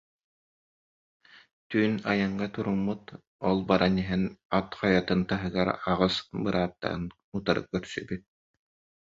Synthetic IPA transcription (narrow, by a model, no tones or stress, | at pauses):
t̪yːnajɯɴɢat̪uɾumːut̪ | ɔlˠbaɾʔaniɦɛnat̪χajat̪ɯnt̪aɦɯɡaɾaʁɯsbɯɾʔaːt̪ːa̰n | ut̪aɾɯ̰kœɾsy̰byt̪̚